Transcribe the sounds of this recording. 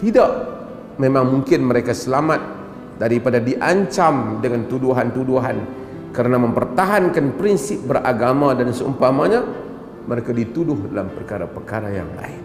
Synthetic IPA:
t̪idaʔ | memaŋmuŋkɪnməɾekasəlamat̪̚ | daɾipadadiʔaɲt͡ʃamdəŋant̪uduɦant̪uduɦan | kəɾənaməmpərt̪aɦankanpɾinsɪp̚bəraɡamadansəṵmpamaɲa | məɾekadit̪udʊhdalampərkaɾapərkaɾaja̰ŋla̰ɪn

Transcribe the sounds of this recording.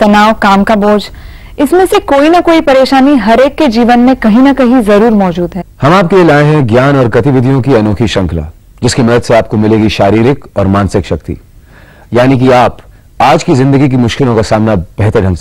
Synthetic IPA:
t̪ɐnaːokaːmkaboːd͡ʒ | ɪsmẽsekoːinɐkoːipɐɾeːʃaːniɦɐɾeːkːed͡ʒiːʋənmẽkɐɦĩnɐkɐɦĩzɐɾuːɾmɔːd͡ʒuːd̪ɦɛːhɐmaːp̚kelielaːẽɦɛ̃ɡjaːnɔːɾɡɐt̪ɪʋɪd̪ʱijõkiɐnoːkʰiʃɐ̃ŋkʰla̰ː | d͡ʒɪskemɐd̪əd̪seaːp̚komɪleːɡiʃaːɾiːɾɪkɔːɾmaːnsɪkʃɐk̚t̪ḭ | jaːnik̬iaːp | aːd͡ʒkizɪ̃nd̪əɡik̬imʊʃkɪlõkasaːmnab̥ɛɦt̪əɾɖʱɐ̃ŋ

